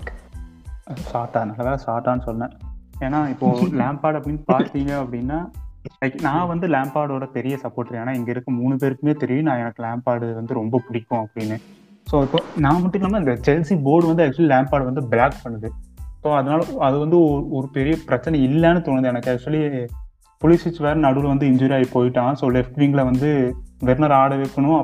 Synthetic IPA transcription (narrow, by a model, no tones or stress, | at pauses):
ɐsaːʈːaːnɐlːɐʋeːlsaːɾʈːaːnɯsɔlnɛ̃ːeːnːaːɪpːoːlaːmpaːɾɽɐpːɐɽɪnːɯpaːɾt̪iːŋɡɐɐpːɐɽɪnːaːlɐɪkːnãːʋɐnd̪ɯlaːmpaːɾɽoːɽɐpɛɾɪjɐsɐpːoːɾʈːɪɾeːnaːɛŋɡɐɪɾɯkːɯmuːɳːɯp̬eːɾɯkːɯmeːt̪ɛɾɪʋĩnãːɛnɐkːɯlaːmpaːɾɽɯʋɐnd̪ɯɾɔmbɐpʊɽɪkːʊ̃ɐpːɐɽɪnːɯ | soːɪpːonãːmɐʈːɯkːnaːmaɪnd̪ɐt͡ʃɛlsiboːɾɖʋɐnd̪ɯɐk̚t͡ʃʊɐlilaːmpaːɽʋɐnd̪ɯbɪlaːkpɐɳːɐðɯsoːɐðɐnaːlɐɐðɯʋɐnd̪ɯɔɾɯpɛɾɪjɐpɪɾɐt͡ʃːɐnɐ̃ɪlːɛnɐt̪ɔɳɐnd̪ːɛnɐkːɯɐk̚t͡ʃːʊɐli | pɔlɪsɪsʋeːɾɐnɐɽɯlʋɐnd̪ɯɪɲd͡ʒɔːɾijaːɣipoːjɪʈːãːsoːlɛfʈʋiːŋɡlɐʋɐnd̪ɯʋɛɾnɐɾaːɽɐʋɛkːɐɳʊ̃ɐ